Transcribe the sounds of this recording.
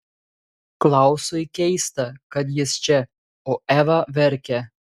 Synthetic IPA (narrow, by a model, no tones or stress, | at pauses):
klˠɑˑʊsojkʲɛɪst̪ɐkɐt̪̬jɪst͡ʃʲɛ | oːʔæːʋɐʋʲɛɾʲkʲɛ